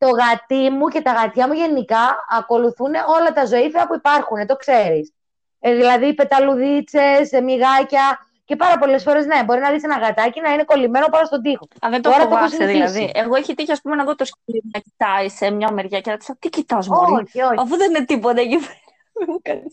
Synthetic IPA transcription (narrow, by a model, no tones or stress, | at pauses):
t̪o̞ɣɐt̪imuce̞t̪ɐɣɐt̪çɐmuʝe̞nikɐːko̞luθune̞ʔo̞lɐt̪ɐzo̞ifiɐpuipɐɾxunet̪o̞kse̞ɾis | ðilɐðipe̞t̪ɐluðit͡se̞smiɣɐcɐ | ce̞pɐɾɐpo̞lesfo̞ɾe̞zne̞bo̞ɾinɐðisenɐɣɐt̪ɐcinɐine̞ko̞lime̞no̞pɐɾɐst̪od̪ixo̞ɐðent̪ooɾɐoosieðilɐðieɣoeçit̪içɐspumenɐeɣot̪oscilimunɐcit̪ɐisemɲɐmeɾʝɐcenɐt̪i̥sɐt̪icit̪ɐzmoçioɐfuðeninet̪ipot̪ɐcipeɾɐðemukɐnis